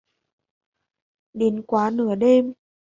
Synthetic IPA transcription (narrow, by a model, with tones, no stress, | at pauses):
ɗe˨˦nkwaː˨˦nɨ˧˩əɗe˧m